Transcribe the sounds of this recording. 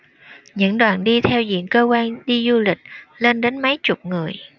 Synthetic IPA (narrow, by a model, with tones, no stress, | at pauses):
ɲɨ̰˧˥ŋɗwaː˨˩nɗi˧t̪ʰɛ˧wzḭ˧˨ənkəː˧kwaː˧nɗi˧zu˧lï˨˩k̟̚le˧nɗe˨˦nmə˨˦jt͡ɕʊ˨˩k͡p̚ŋɨ˨˩əj